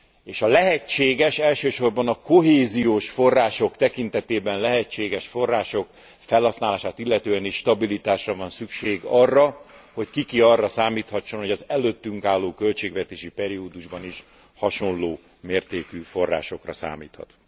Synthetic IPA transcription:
eːʃɒlɛɦɛt͡ʃːeːɡɛʃɛlʃøːʃo̞rbɒnɒkoɦeːzijoːʃfo̞rːaːʃo̞kt̪ɛkint̪ɛt̪eːbɛnlɛɦɛt͡ʃːeːɡɛʃfo̞rːaːʃo̞k | fɛlhɒsnaːlaːʃaːt̪ilːɛt̪øːɛniʃʃt̪ɒbilit̪aːʃrɒvɒnsykʃeːɡɒrːɒ | ho̞ckikiɒrːɒsaːmiːt̪hɒt͡ʃːo̞nho̞ɟɒzɛløːt̪ːyŋkaːlːoːkø̞lt͡ʃeːɡʋɛt̪eːʃipɛɾioːd̪uʒbɒniʃ | hɒʃo̞nloː | meːrt̪eːkyfo̞rːa̰ːʃo̞krɒ̰sa̰ːmḭːt̪hɒ̰t̪

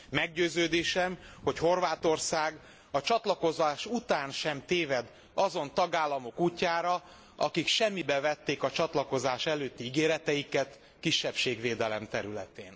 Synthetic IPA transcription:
mɛɡɟøːzøːd̪eːʃɛmho̞cho̞rvaːt̪o̞rsaːɡ | ɒt͡ʃɒt̪lɒko̞zaːʃut̪aːnʃɛmt̪eːvɛd̪ | ɒzo̞nt̪ɒɡaːlːɒmo̞kuːcːaːɾɒ | ɒ̰kikʃɛmːibɛvɛt̪ːeːkɒt͡ʃɒt̪lɒko̞zaːʃɛløːt̪ːiiɡeːɾɛt̪ɛjikɛt̪ | kiʃːɛpʃeːɡveːd̪ɛlɛmt̪ɛɾylɛ̰t̪eːn

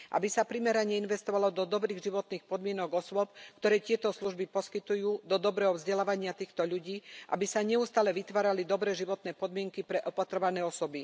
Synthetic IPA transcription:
ʔa̰bisapɾimɛɾaɲɛinʋɛst̪ɔʋalɔd̪ɔd̪ɔbɾiːɣʒiʋɔt̪niːxpɔd̪mɪɛnɔɡɔsʊɔp̚kt̪ɔɾɛːt̪ɪɛt̪ɔsluʒbipɔskit̪ujuːd̪ɔd̪ɔbɾɛːɦɔvzɟɛlaːʋaɲɪat̪iːxt̪ɔʎuɟiːʔa̰bisaɲɛust̪aːlɛʋit̪ʋaːɾalid̪ɔbɾɛːʒiʋɔt̪nɛːpɔd̪mɪɛŋkipɾɛʔɔpat̪ɾɔʋanɛːɔsɔbi

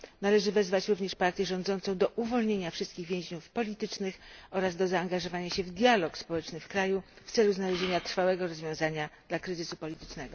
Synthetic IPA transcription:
nalɛʐɘvɛzvat͡ɕɾuvɲɛʂpaɾt̪ʲjɛʐɔ̃nd̪zɔnt̪sɔ̃w̃d̪ɔʔuvɔlɲeɲafʂɘst̪kʲiɣvʲjẽʑɲufpɔlʲit̪ɘt͡ʂnɘxɔɾazd̪ɔzaːŋɡaʐɔvaɲaɕɛvd̪ʲjalɔkspɔwɛt͡ʂnɘfkɾajuft̪sɛluznalɛʑeɲat̪ɾfawɛɡɔɾɔzvʲjɔ̃w̃zaɲadd̪lakɾɘzɘsupɔlʲit̪ɘ̥t͡ʂnɛɡɔ

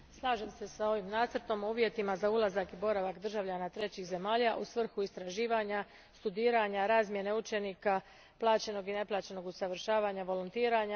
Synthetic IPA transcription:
slˠaːʒemse̞sao̞ʋimnaːt̪sɾt̪o̞muːʋje̞t̪imazaulˠazakibo̞ɾaʋakd̪r̩ʒaʋʎanat̪ɾe̞t͡ɕixze̞maːʎaʔusʋr̩xuist̪ɾaʒiːʋaɲa | st̪ud̪iːɾaɲaɾaːzmje̞ne̞ut͡ʃe̞nika | plˠaːt͡ɕe̞no̞ɡine̞plˠaːt͡ɕe̞no̞ɡusaʋr̩ʃaːʋaɲaʋo̞lont̪iːɾaɲa

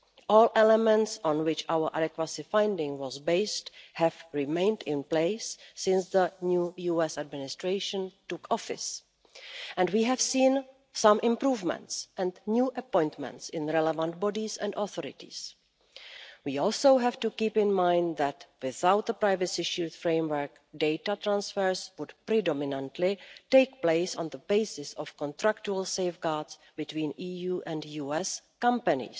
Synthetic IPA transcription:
ʔɔːlʔɛlɛmɛ̃ntsɔ̃nwɪt͡ʃawə˞ʔa̰dɛkwasɪfãjndɪ̃ŋwɔzbeɪsthɛvɹɪmẽɪ̃ndɪ̃npleɪsːɪ̃nsðənjuːjuɛsadmɪnɪstɹeɪʃə̃ntʊkʰɔfɪ̰s | ʔɛ̃ndwiːɦɛv̥sĩːn | sãmʔɪ̃mpɾuːvmɛ̰̃ntsʔɛ̃ndnjuːʔəpɔ̃jntmɛ̰̃ntsɪ̃nɹɛlɛvãntbɔdisɛ̰̃ndɔθɔɾɪ̰tḭs | wiɔlˠsoʊɦɛvtukiːpɪ̃nmãj̃ndðætwɪθawt̪̚ðəpɾajvəsiʃiltfɹẽɪmwə˞k | deɪtat̪ɾãnsfɛɹswʊdpɾidɔmɪnãntʰlɪteɪk̚pleɪsɔ̰̃nðəbeɪsɪsɔfkɔ̃ntɾakt͡ʃuəlseɪfɡaɹds | bɪtwĩːniːjuːʔɛ̃ndjuːɛskʌ̃mpənḭs

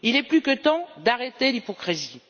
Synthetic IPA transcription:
ilɛplykət̪ɑ̃d̪aʁet̪elipɔkχizi

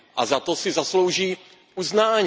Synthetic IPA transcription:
ʔa̰zat̪osɪzaslowʒiː | ʔuznaːɲ

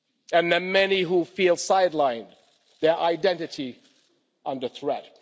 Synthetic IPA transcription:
ɨ̃nðɨmɛniɦufilˠsaɪdˡlãɪ̃n | ðə˞ʔaɪdɛ̃ntɨɾʰi | ʔʌ̃ndə˞θɹɛt̚

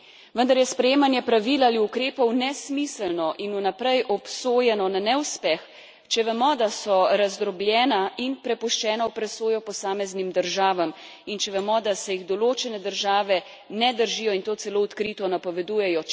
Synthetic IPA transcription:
ʋənd̪aɾjɛspɾɛjeːmanjɛpɾaʋiːlaliukɾeːpɔwnɛsmisəlnɔʔinunapɾɛjʔɔpsoːjɛnɔnanɛwspɛx | t͡ʃɛʋɛmɔd̪asɔɾazd̪ɾɔblʲjɛːnainpɾɛpuʃt͡ʃɛːnaupɾɛsoːjɔpɔsaːmɛznimd̪əɾʒaːʋamint͡ʃɛʋɛmɔd̪asɛjiɣd̪ɔloːt͡ʃɛnɛd̪əɾʒaːʋɛ | nɛd̪əɾʒijɔint̪oːt̪sɛloːɔt̪kɾit̪ɔnapɔʋɛd̪uːjɛjɔ

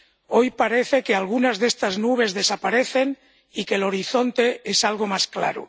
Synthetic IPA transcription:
o̞jpaɾe̞θe̞kealɣunazðe̞st̪aznuβ̞e̞zðe̞sapaɾe̞θe̞n | ike̞lo̞ɾiθo̞nt̪e̞esalɣ̞o̞maskla̰ɾo̰

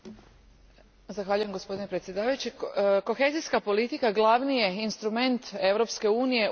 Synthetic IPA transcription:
zaxʋaʎuje̞mɡospo̞d̪inepɾet̪sʲje̞d̪aːʋajut͡ɕiko̞xe̞ziskapo̞lit̪ikaɡlˠaʋnije̞inst̪ɾume̞nt̪e̞ʋɾo̞pske̞uːnije̞

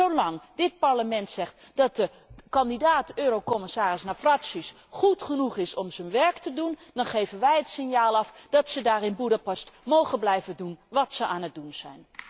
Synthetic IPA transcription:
owlɑŋdɪt̚paɹləmɛntsɛχt | d̥ɑt̚də | kɑndidaːtøːɾokɔmɪsaːrɪsnafraksis | χutχənuχɪsɔmzənʋɛɹktədundɑnχejvənʋɛjətsɪnjaːlˠɑfd̥ɑtsədaːrɪnbudəpɑstmowχənblɛjvədunʋɑtsəʔaːnət̚dunz̥ɛjn

